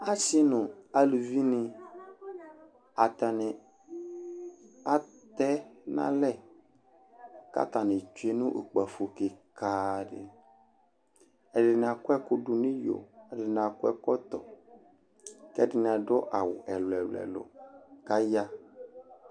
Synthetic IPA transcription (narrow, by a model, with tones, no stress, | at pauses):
a˦si˦nʊ̃˨a˦lu˨vi˦nɪ̃˨ | a˨t̪a˨nɪ˨ | a˨ | t̪ɛ˦nã̰˦lɛ˦˨ | ka̰˦t̪a˨nɪ̃˨t͡ʃu˨˦e˦nũ˦ʔo˨k͡pa˨fo˨ke˨ka˨ɖɪ̰˨ | ɛ˨ɖɪ˨n˨a˨kwɛ˦kʊ˦ɖu˨nĩ˦jo̰˨ɛ˨dɪ˨n˨a˨kʊ˦ɛ˦kɔ˦t̪ɔ˨ | kɛ˦dɪ˨nɪ̃˨a˨ɖɔ˦ʔa˨wʊ̰˨ʔɛ˨lo˨ɛ̰˨lo̰˨ɛ̰˨lo̰˨ka˦ja˦